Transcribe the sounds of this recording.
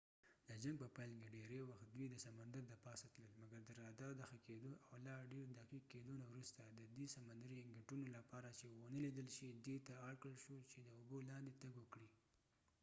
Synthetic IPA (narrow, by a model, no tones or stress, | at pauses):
d̪əd͡ʒaŋɡ̚pəpajlkeɖeɾewaxt̪̚d̪wid̪əsamand̪aɾd̪əpɑsat̪ləlmaɡaɾd̪əɾɑd̪aɾd̪əxaked̪oʔawlɑɖeɾd̪aqiqːed̪onawɾust̪ad̪əd̪isamand̪aɾiŋɡɪʈunolapɑɾat͡ʃewənəlid̪əlʃid̪et̪aːɾkɾəlʃot͡ʃed̪əʊbolɑnd̪et̪aɡwəkɽi